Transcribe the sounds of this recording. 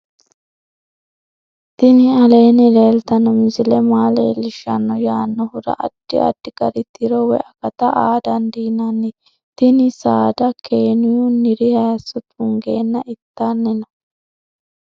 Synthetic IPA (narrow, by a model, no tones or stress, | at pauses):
t̪ɪnɪɐle̞ːnɪleːlt̪ɐnɔmɪzɪlɛmaːlḛːlɪʃɐnːɔjaːnːɔhʊɾɐ̰ʔɐd̪̥ːɪ̰ɐ̰d̪̥ːɪkʼɐɾɪt̪ɪɾɔwɛ̰ʔɐkɐt̪ɐʔaːd̪ɐnd̪iːnɐnːɪ | t̪ɪnɪsaːd̪ɐkeːnɪjunːɪɾɪhaːsɔt̪ʊŋɡeːnːɐʔɪt̪ːanːɪnɐ